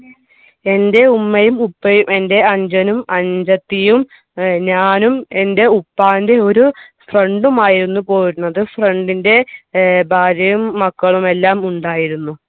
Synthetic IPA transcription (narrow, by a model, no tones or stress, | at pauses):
e̞nde̞umːɐjumupːɐjume̞nde̞ɐɲd͡ʑɐnumɐɲd͡ʑɐt̪ːijum | ɲaːnume̞nde̞upːaːnde̞o̞ɾufrɐɳɖumaːjiɾunːupo̞ːjiɾunːɐðɨfrɐɳɖinde̞bʱaːɾjɐjumːɐkːɐɭume̞lːaːmuɳɖaːjiɾunːu